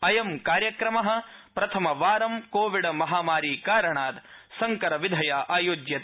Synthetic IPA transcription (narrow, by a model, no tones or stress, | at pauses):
ɐjɐmkaːɾjɐkɾɐmɐɦɐ̆pɾɐt̪ʰɐmɐʋaːɾɐmkoːʋiɽɐmɐɦaːmaːɾiːkaːɾɐɳaːt̪sɐŋkɐɾɐʋid̪ʱɐjaːʔaːjoːd͡ʒjɐt̪